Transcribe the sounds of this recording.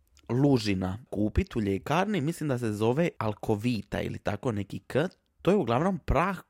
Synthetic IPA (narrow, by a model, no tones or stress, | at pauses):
luʒinakuːpit̪uʎekaːɾnimislimd̪ase̞zo̞ʋealˠkʰo̞ʋiːt̪a̰ḭlḭt̪ako̞ne̞kikə | t̪ːojeuɡlˠaʋno̞mpɾaːx